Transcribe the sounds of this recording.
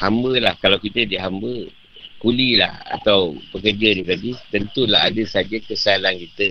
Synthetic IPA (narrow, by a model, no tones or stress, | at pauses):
hambəlahkalawkit̪ədiɦambə | kulila̰ha̰t̪awpəkərd͡ʒadit̪apit̪ənt̪ulaɦadəsad͡ʒakəsalankit̪ə